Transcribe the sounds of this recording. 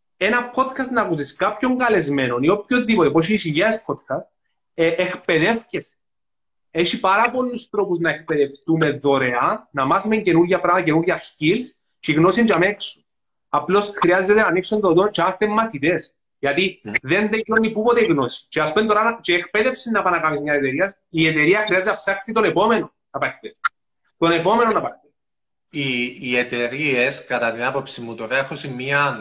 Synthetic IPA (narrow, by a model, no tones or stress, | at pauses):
enɐpʰod̪kʰɐst̪nɐkusiskapço̞ŋɡɐle̞zme̞nonio̞pçoipot̪epoɕ̬isiʝespʰod̪kʰɐst̪ | eʔːkpe̞ðe̞fces | eʃipɐɾɐpo̞lːust̪ɾo̞puznɐek̚pe̞ðe̞ft̪ume̞ðo̞ɾe̞ɐnɐmaθume̞ɲce̞nuɾʝɐpɾɐmɐtɐce̞nuɾʝɐscils | t͡ʃiɣno̞sind͡ʒɐmeksu̥ | ɐplo̞sxɾiɐzːe̞t̪enɐniksund̪ot̪ont͡ʃemɐst̪emːɐθit̪e̞s | ʝɐt̪iðe̞nðekonipupot̪eiɣno̞si̥t͡ʃeɐspent̪oɾanɐt͡ʃeːkpe̞ðe̞fsinːɐpɐnɐkɐmismɲɐset̪eɾiɐs | iet̪eɾiɐxɾiɐzet̪enapsaksit̪o̞nepo̞menonnɐpɐekt̪e̥ | t̪o̞ne̞po̞me̞nonɐpɐkt̪e | iːet̪eɾieskɐt̪ɐt̪inɐpo̞psimːut̪oɾeexosimːiɐ